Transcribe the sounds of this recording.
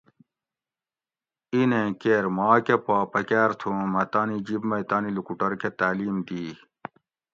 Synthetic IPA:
inẽkeːɾmaːkepaːpɐkaːɾt̪ʰũmɐt̪aːnid͡ʑibmɐjt̪aːnilukuʈɐɾkʰet̪aːliːmd̪iː

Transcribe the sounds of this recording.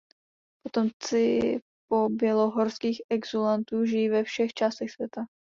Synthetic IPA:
pot̪omt͡sɪ | po̞bjɛlo̞ɦoɾskiːxɛɡzolant̪uːʒɪjivɛfʃɛxt͡ʃaːst̪ɛxsvjɛt̪a

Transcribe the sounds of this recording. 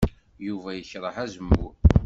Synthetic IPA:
juvæjəçɾˤəħæzəmːu

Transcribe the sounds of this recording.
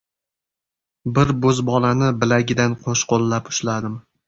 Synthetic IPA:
bɪɾbɵzbɒlanɪbɪlaɡʲɪd̪anqʰoʃqolːapʊ̥ʃlad̪ɪm

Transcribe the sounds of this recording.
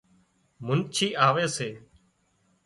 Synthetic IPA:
mʊnt͡ʃʰiːʔaːʋeːseː

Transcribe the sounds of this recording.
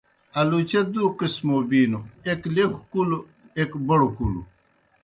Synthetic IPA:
ɐlut͡ɕed̪uːkismobiːnueklexkulu | ekbɐɽukulṵ

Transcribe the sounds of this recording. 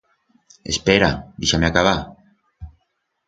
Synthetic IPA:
espeɾad̪iʃameakaβa

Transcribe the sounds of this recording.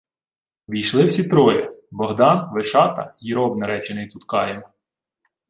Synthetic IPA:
ʋʲijʃlˠɪwsʲit̪ɾɔjɐ̰bɔɦd̪ɑnʋɪʃɑt̪ɐ̰jiɾɔbnɐɾɛt͡ʃɪnɪjt̪ut̪kɑjɛn

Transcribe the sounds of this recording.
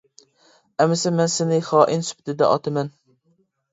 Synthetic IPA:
ɛmɪsɛmɛnsɪnɪχɑːʔɪnsy̥pʰɪt̪ʰɪd̪ɛ̰ʔɑ̰t̪ʰɪmɛn

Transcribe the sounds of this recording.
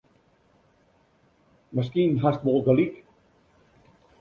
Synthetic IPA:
məskinɦast̪̚bɔlˠɡəlik

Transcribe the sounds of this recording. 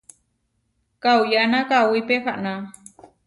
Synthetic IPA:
kawjanakawijpexaʔna

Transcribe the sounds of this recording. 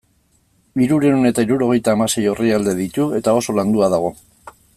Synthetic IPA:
iɾuɾe̞une̞t̪aiɾuɾo̞ɣ̞e̞jt̪aːmase̞jo̞riald̪e̞ðit̪ue̞t̪ao̞so̞land̪uaðaɣ̞o̞

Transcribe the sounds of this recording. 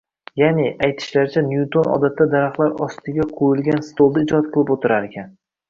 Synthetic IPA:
janɪʔajt̪ʰɪ̥ʃlaɾt͡ʃʰanjut̪ʰonɒ̰d̪at̪ʰːad̪aɾaχlˠaɾɒst̪ɪɡʲaqʰojɪlɡʲanst̪olˠd̪aɪd͡ʒɒat̪̚qʰɨlˠɪpot̪ʰɪɾaɾekʲʰan

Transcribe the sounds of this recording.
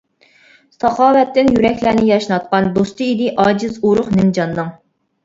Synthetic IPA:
sɑχɑːwɛt̪ːɪnjyɾɛkʲlænɪjɑʃnɑt̪̚qɑnd̪ost̪ɨid̪ɪʔɑːd͡ʒɨzuɾʊχnɪmd͡ʒɑnːɨŋ

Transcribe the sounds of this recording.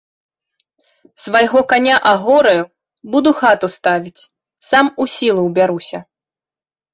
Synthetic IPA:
svajɣɔkanʲaʔaɣɔɾɐju | bud̪uxat̪ust̪avʲit͡sʲ | samusʲilˠuwbʲaɾusʲɐ

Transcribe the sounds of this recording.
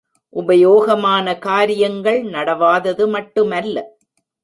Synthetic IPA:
ʔʊbɐjoːɣɐmaːnɐkaːɾɪjɐŋɡɐɭnɐɽɐʋaːðɐðɯmɐʈːɯmɐlːɐ

